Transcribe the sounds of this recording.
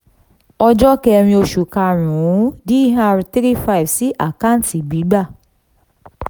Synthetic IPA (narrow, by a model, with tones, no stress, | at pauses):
ɔ˦d͡ʒɔ˦ke˦˨˦ɾ̃ĩ˦o˨ʃu˨ka˨ɾũ˨˦di˦ɦa˦˨ɾtɾi˦fa˦˨ɪ˨vsi˦ʔa˨ka˦n̩˦ti˨ɡ͡bi˨˦ɡ͡ba˦˨